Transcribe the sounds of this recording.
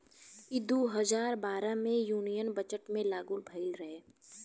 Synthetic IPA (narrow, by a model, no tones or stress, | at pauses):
id̪oːɦəzaːɾbaːɾamẽjuːnijənbət͡ʃəʈmẽlaːɡuːlbʱɐɪlɾɐɦeː